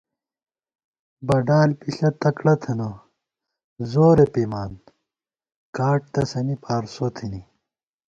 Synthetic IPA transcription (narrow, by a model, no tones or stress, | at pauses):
bɐɖaːlpiɕɐt̪ɐkɽɐt̪ʰeno | zoːɾepimaːn | kaːʈ̚t̪ɐsɐnipʰaːɾsot̪ʰini